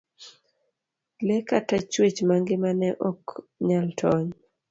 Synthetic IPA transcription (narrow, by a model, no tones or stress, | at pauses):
lɛkatat͡ʃwet͡ʃmaŋɡɪmanɛʔɔkɲaltʰɔɲ